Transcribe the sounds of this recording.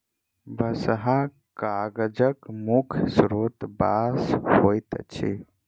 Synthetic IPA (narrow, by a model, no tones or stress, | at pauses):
bəsɦa | kaɡd͡ʒəkmukʰsɾot̪bashojt̪t͡ʃʰḭ